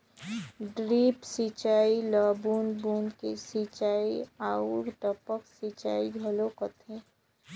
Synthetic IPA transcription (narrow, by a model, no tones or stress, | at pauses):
ɖɾiːpsit͡ʃaːilaːbuːnbuːnkesit͡ʃaːiaːuɡʈəpəksit͡ʃa̰ːiɡʱəlokət̪ʰeː